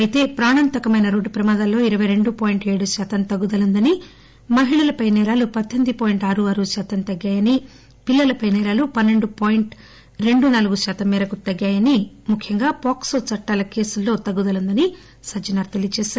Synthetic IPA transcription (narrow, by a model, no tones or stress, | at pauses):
ɐjit̪e̞ːpɾaːɳɐnt̪ɐkɐmɐjnɐɾoːɖːupɾɐmaːd̪ɐlːo̞ːiɾɐʋɐjɾe̞ɳɖupoːjiɳʈe̞ːɽuʃaːt̪ɐmt̪ɐɡːud̪ɐlund̪ɐni | mɐɦiɭɐlɐpɐjnɛːɾaːlupɐt̪ːend̪ipoːjiɳʈaːɾuɐːɾuʃaːt̪ɐmt̪ɐɡːaːjɐni | pilːɐlɐpɐjnɛːɾaːlupɐnːe̞ɳɖupoːjiɳʈ | ɾe̞ɳɖunaːluɡuʃaːt̪ɐmːɛːɾɐkut̪ɐɡːaːjɐni | mukʰjɐŋɡaːpaːksoːt͡ʃɐʈːaːlɐke̞ːsulːo̞ːt̪ɐɡːud̪ɐlund̪ɐni | sɐd͡ʒɐnaːɾt̪elit͡ʃɛːʃaːɾ